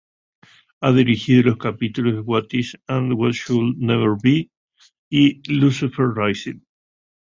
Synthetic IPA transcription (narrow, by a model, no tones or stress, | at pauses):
aðiɾixiðoloskapit̪ulozðewat̪isãnd̪wɔt̪ʃulnɛβəɾbi | ilusifeɾrajsil